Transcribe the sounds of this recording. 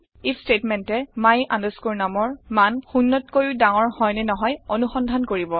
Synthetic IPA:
istetmɛntɛmajʔa̰ndɔskuɹnamɔɹmanxunːɔtkojudaŋɔɹhɔjnɛnɔɦɔjonuxɔndʱankoɹibɔ

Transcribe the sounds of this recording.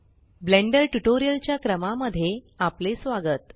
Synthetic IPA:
blẽɳɖəɾʈuʈoɾijəlt͡ɕjakɾəmaməd̪ʱːje | aplesʋaɡət̪

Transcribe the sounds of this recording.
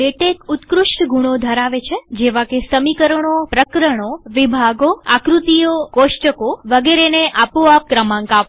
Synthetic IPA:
eʈekʊt̪kɾʊʃʈɡuɽ̃od̪ʱəɾaʋet͡ʃʰed͡ʒeʋakesəmikəɾəɳ̃opɾəkɾəɽ̃oʋibʱaɡoakɾut̪ijokoʃʈəkoʋəɡeɾeneʔapoap̚kɾəmãŋkap

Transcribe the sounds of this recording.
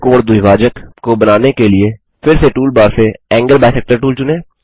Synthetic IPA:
koːɽd̪ʊiʋaːd͡ʒəkkobɐnaːnekelie | fɪɾseʈuːlbaːɾseɛ̃ːŋɡəɾbɛːsɛk̚ʈəɾʈuːlt͡ʃʊnẽː

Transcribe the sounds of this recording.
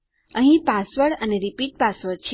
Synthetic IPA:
əɦĩpasʋəɽəneɾipiʈ̚pasʋəɽt͡ʃʰ

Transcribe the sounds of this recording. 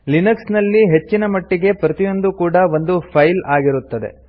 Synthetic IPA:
linɐksnɐlːiɦe̞t͡ʃːinɐmɐʈːiɡe̞pɾɐt̪ijo̞nd̪ukuːɽɐʋo̞nd̪upʰɐjlaːɡiɾut̪ːɐd̪e̞̰

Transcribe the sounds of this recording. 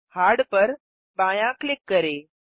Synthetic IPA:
haɽpəɾ | bãjãklikːəɾe

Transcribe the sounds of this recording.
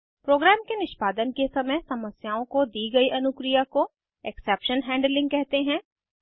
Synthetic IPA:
pɾoːɡɾaːmkenɪʃpaːd̪ənkesɐməjsɐməsjaːõkod̪iːɡɐiʔɐnʊkɾɪjako | ɛksɛːpʃənɦɛ̃ːɳɖlɪ̃ŋɡkɛɦt̪eɦɛ̃ː

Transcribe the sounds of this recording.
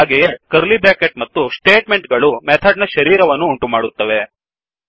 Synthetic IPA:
aːɡejekɐɾlibɾaːkeʈ̚mɐt̪ːusʈeːʈmeɳʈɡɐɭumɛːt̪ʰɐɖnɐʃɐɾiːɾɐʋɐnːuːɳʈumaːɽut̪ːɐʋe

